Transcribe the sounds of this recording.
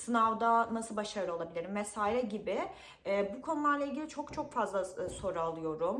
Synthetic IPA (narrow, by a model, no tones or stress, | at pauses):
sɯnavd̪anasɯlˠbaʃaɾɯo̞lˠabilʲiɾimvesaːjlʲɛɟibɪ | ɛːbukʰo̞nulˠaɾlˠailʲɟʲilʲit͡ʃʰo̞kt͡ʃʰo̞kfazlˠaso̞ɾualˠɯjo̞ɾum